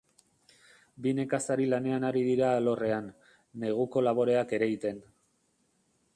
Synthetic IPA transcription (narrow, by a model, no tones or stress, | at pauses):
bine̞kasaɾilane̞anaɾiðiɾaːlo̞re̞anː | e̞ɣ̞uko̞laβ̞o̞ɾe̞ake̞ɾe̞it̪e̞n